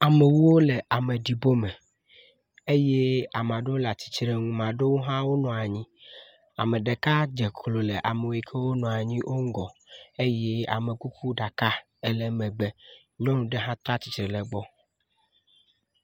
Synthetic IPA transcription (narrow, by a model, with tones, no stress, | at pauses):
a˨me˨wu˦wo˦le˨ʔa˨me˨ɖi˨bo˦mɛ̃˨ | e˦je˦a˨m˨ã˨ɖe˦wo˦la˨t͡ɕi̥˨t͡ʃɾe˦ŋũ˨mã˨ɖe˦wo˦ɦã˦wo˦nɔ̃˨a˨ɲĩ˦ | a̰˨mẽ˨ɖe˨ka˦d͡ʒe˨kʰlo˨le˨ʔa˨me˨wo˨i˨kʰe˦wo˦nɔ̃˨a˨ɲĩ˦ʔo˦ŋ̩˦ɡɔ˨e˦jɛ˦a̰˨me˨ku˦kʰu˦ɖa˨ka˦ | e˦lɛ˦mɛ̃˨be˦ | ɲɔ̃˦nũ˨ɖe˦ɦã˦t̪ɾa˦t͡ɕi̥˨t͡ʃɾe˨lɛ˨ɡ͡bɔ˦